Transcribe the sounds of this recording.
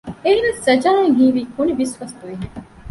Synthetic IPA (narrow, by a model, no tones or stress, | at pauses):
eɦiʋessɐd͡ʒaːeŋɦiːʋiːkunibisʋɐst̪uʋiɦiŋ